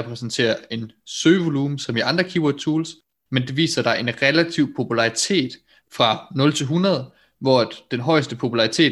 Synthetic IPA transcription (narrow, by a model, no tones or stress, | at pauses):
ɛpʰʁɛsnt͡sʰe̝̰ːɐe̝nsøːʋo̝luːmsɒ̽miɑ̈nd̥ʁɐkʰiːwɔd̥̚t͡sʰuːls | mend̥e̝ʋḭːsɐd̥ɑ̈ɪʔe̝nʁɛlæt͡sʰiʊ̰pʰo̝pʰulɑ̈ʁit͡sʰe̝̰ːd̥ | fʁɑ̈nɔ̽lt͡sʰe̝lɦunɐð̞ˠ | ʋɒ̰æd̥d̥enɦɒ̽ɪsd̥əpʰo̝pʰulɑ̈ʁit͡sʰe̝̰ː